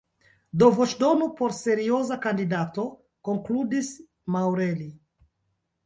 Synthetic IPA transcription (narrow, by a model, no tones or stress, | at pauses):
d̪ovoʃdonupoɾseɾiozakandidat̪o | koŋkludis | mawɾeli